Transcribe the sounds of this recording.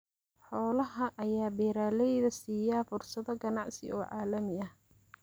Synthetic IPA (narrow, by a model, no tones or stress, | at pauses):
ħɔːlɐɦɐʔɐjaːbɛːɾaːlɛjðɐsiːjaːfʊrsɐðɔɡɐnɑʕsɪ̰ʔɔːʕɑːlɐmɪɐh